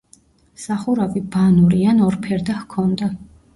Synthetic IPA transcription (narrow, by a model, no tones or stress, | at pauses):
saχuɾavibanuɾianɔɾpʰɛɾd̪ahkʰɔnd̪a